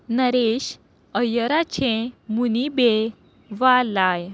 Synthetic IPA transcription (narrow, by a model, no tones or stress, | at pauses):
nəɾeɕ | əjəɾat͡ɕʰẽmunibe | ʋalaj